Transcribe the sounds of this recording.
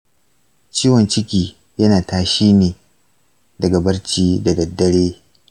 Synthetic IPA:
t͡ʃiː˦wɐ˨nt͡ʃɪ˦kʲiː˦ | jɐ˦naː˨taː˦ʃiː˦neː˨ | dɐ˨ɡa˨bɐ˦rt͡ʃiː˦da˨dɐ˨dːɐ˦ɽeː˦

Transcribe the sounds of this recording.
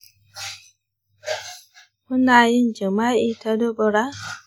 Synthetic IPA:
mʊ˦naː˨jɪ˦nd͡ʒa˨maː˦ʔiː˦ta˦do˦bə˨ɾa˦

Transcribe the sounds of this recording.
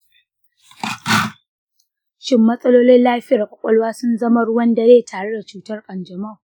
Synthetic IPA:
t͡ʃɪ˦mːɐ˦sʼɐ˦loː˦lɪ˦nlaː˦ɸɪ˦ja˨kʷʼɔ˨kʷʼɐ˦lwaː˦sʊ˦nzɐ˦ma˦ɽʊ˦wɐ˦nda˨zeː˦tʰaː˨ɽe˦da˨t͡ʃuː˦tɐ˦rkʼɐ˨nd͡ʒɐ˨ma˦˨

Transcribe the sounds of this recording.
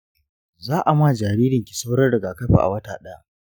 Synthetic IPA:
zaː˦ʔa˨maː˦˨d͡ʒaː˨ɾiː˦ɾɪ˨ŋkʲi̥˨sa˦wɽɐ˦rɽɐ˨ɡaː˨kɐ˦ɸḭ˨ʔa̰˨wɐ˦taː˨ɗɐ˦a˦ʔ

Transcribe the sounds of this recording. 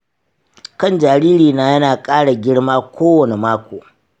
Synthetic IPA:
kɐ˦˨nd͡ʒaː˨ɽiː˦ɾiː˨naː˦jɐ˦naː˨kʼaː˦ɽa˨ɡʲɪ˦ɽmaː˦kʷʰoː˦wɐ˨ne˨maː˦kʷoː˨

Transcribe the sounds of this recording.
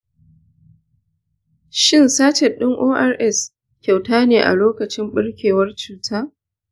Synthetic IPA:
ʃɪ˦˨nsaː˦t͡ʃe˨ɗɪ˦ŋʔoː˦ʔa˦rʔɛ˦˨s | kʲa˨wtaː˦neː˨ʔa̰˨loː˦kɐ˨t͡ʃɪ˦mɓɪ˦ɽkʲeː˨wɐ˦rt͡ʃuː˨tʰaː˦ʔ

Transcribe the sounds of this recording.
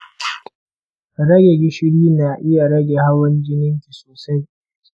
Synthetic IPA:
ɾɐ˦ɡʲe˨ɡʲɪ˦ʃɪ˦ɽiː˦na˨ʔɪ˦ja˨ɽɐ˦ɡʲe˨ha˦wɐ˦nd͡ʒɪ˦nɪ˦ŋkʲi˨soː˨sa˦j

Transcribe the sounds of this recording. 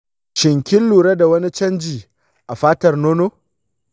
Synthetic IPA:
ʃɪ˨ŋkʲɪ˦lːuː˨ɾa˦da˨wɐ˦ni˦t͡ʃɐ˦nd͡ʒiː˨ | ʔa˨ɸaː˦tɐ˨rnoː˦no˦

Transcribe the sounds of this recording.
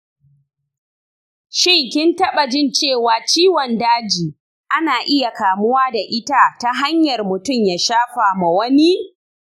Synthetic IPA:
ʃɪ˦˨ŋkʲɪ˦ntɐ˦ɓa˨d͡ʒɪ˦nt͡ʃeː˦˨waː˨t͡ʃiː˦wɔ˨ndaː˦d͡ʒiː˨ | ʔa˦naː˨ʔɪ˦ja˨kaː˨mʊ˦waː˦da˨ʔɪ˦ta˦ta˦ɦa˦ɲjɐ˨rmʊ˨tʊ˦˨mjaː˨ʃaː˦ɸa˨ma˨wɐ˦ni˦

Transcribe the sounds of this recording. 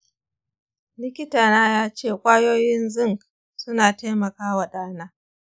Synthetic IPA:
lɪ˦kʲɪ˦taː˨naː˦jaː˦t͡ʃeː˦˨kʷʼaː˦joː˦jɪ˦nzʊ˦ŋk | sʊ˦naː˨ta˦jmɐ˨kaː˦wa˨ɗaː˦naː˦

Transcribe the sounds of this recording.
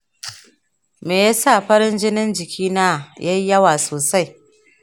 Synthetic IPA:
meː˨ja˦sa˦˨ɸɐ˦ɾɪ˦nd͡ʒɪ˦nɪ˦nd͡ʒɪ˨kʲiː˦naː˦jʔa˦ji˦jɐ˦waː˨soː˨sa˦j

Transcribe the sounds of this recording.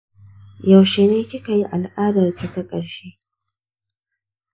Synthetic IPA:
ja˨wʃe˨neː˦kʲɪ˦ka˨ji˦ʔa˨lʔaː˦dɐ˨rta˨tɐ˦kʼɐ˨ɽʃeː˦

